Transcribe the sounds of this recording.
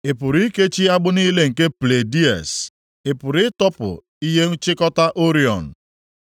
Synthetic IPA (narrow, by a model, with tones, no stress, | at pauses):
e˨pʊ˨ɾi˦ke˦t͡ʃi˦a˦ɡ͡bʊ˦niː˦le˦ŋ̩˨ke˦ple˨di˦ɛ̰˨s | e˨pʊ˨ɾɪ˦tɔ˦pʊ̰˨ | i˦ɦe˦t͡ʃɪ˦kɔ˦ta˦ʔo˦ɾi˦ɔ̰˨n̩˨